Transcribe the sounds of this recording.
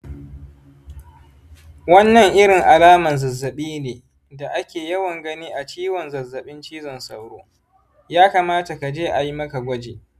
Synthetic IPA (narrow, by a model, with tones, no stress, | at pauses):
wɐ˦nːɐ˨ŋʔɪ˦ɽɪ˨ŋʔa˨laː˦mɐ˨nzɐ˨zːɐ˨ɓiː˦neː˨ | da˨ʔa˦kʲeː˨jɐ˦wɐ˨ŋɡɐ˦niː˦ʔa˨t͡ʃiː˦wɔ˨nzɐ˨zːɐ˨ɓɪ˦nt͡ʃiː˦zɔ˨nsa̰˨wɽo̰ː˦ | jaː˦kaː˨maː˦ta˨ka˨d͡ʒeː˦ʔa˨ji˦mɐ˦ka˨ɡʷɐ˦d͡ʒeː˨